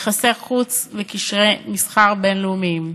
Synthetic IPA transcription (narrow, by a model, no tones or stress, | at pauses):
χaseχut͡svekiʃʁemisχaʁbe̞nleumim